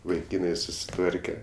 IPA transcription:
ʋɐɪˈkʲiːnɐɪ sʊsʲɪˈtʋɐrʲkʲɛ

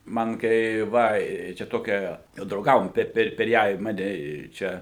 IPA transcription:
ˈmɐn kɐɪ ˈʋɐ ɪ t͡ʃʲɛ ˈtoːkʲɛ jɛʊ drɐʊˈɡɑːʋoːm ˈpʲɛr pʲɛr ˈjæː ɪ ˈmɑːnʲɛ ˈt͡ʃʲɛ

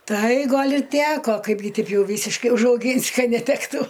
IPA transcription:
ˈtɐɪ ˈɡɐlʲ ɪ ˈtʲæːkoː ˈkɐɪbʲɡʲɪ ˈtʲɛɪp ˈjɛʊ ˈʋʲiːsʲɪʃkɐɪ ʊʒɐʊˈɡʲiːnʲsʲɪ ˈkɐt nʲɛˈtʲæːktuː

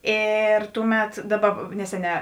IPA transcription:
ˈeːr ˈtʊˌmʲɛt ˈdɑːˌbɐ ˈnʲæːsʲɛˌnʲɛː

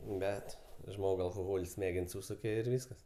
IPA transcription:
ˈbʲɛt ˈʒmoːk ɐlˠkoːˈɣoːlʲsʲ ˈsʲmʲæːɡʲɛnʲsʲ ˈsuːsʊkʲɛ ɪr ˈʋʲiːskɐs

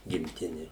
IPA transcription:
ɡʲɪmʲˈtʲɪnʲɪ

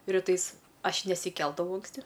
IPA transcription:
rʲɪˈtɐɪs ˈɐʃ nʲɛsʲɪˈkʲɛlˠdɐʋɐʊ ɐŋksʲˈtʲɪ

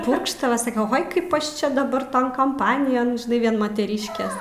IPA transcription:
ˈpʊrkʃtɐʋɐ sɐˈkʲɛ ˈoːj ˈkɐɪp ˈɐʃ ˈt͡ʃʲɛ dɐˈbɐr ˈtoːn kɐmˈpɑːnʲɪjoːn ʒʲɪˈnɐɪ ˈʋʲiɛn mɐtʲɛˈrʲiːʃʲkʲeːs

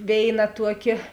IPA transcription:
ˈʋʲeːɪˌnɐ ˈtuɔˌkʲeː

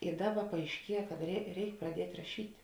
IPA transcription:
ɪ ˈdɑːˌbɐ pɐɐɪʃʲˈkʲiɛ kɐt rʲɛɪ ˈrʲɛɪk prɐˈdʲiɛtʲ rɐˈʃʲiːtʲ

